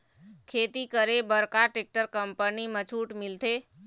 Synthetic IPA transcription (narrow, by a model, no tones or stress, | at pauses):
kʰeːt̪ikəɾebəɾkaʈek̚ʈəɾkəmpənimət͡ʃʰuːʈmɪlt̪ʰe